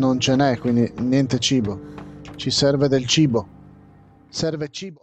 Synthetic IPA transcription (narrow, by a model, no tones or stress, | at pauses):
nont͡ʃenɛkːwind̪injɛnt̪et͡ʃiːbot͡ʃisɛrved̪elt͡ʃiːbo | sɛrvet͡ʃiːbo